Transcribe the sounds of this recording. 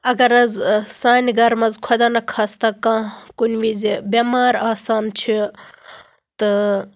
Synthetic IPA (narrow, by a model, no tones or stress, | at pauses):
ɐɡɐɾɐzsaːnʲɡɐɾmɐzkʰod̪aːnɐkʰast̪ɐkãːkunʋizibʲemaːɾaːsaːnt͡ʃʰi | t̪ɨ